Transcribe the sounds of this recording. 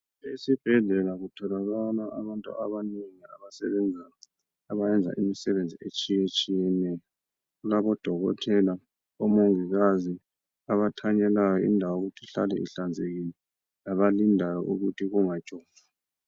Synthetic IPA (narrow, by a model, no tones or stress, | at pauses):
esib̥ʱɛɮɛlaɣutʰɔlaɣanaʔaβantʼṵʔaβaniŋia̰βasɛ̰βɛnd͡zʱana | aβajɛnd͡zʱa̰ʔimisɛβend͡zʱiet͡ʃʼijet͡ʃʼijɛnɛjɔ | ɣulaβɔd̥ʱɔɣɔ̰tʰɛla | ɔmoŋiɣazi | aβatʰaɲɛlajɔḭndʱawoɣutʰiɬalɛ̰ʔḭɬand͡zʱeɣini | laβalindʱalɔ̰ʔuɣutʰiɣuŋad̥ʒ̥ʼʱɔː | a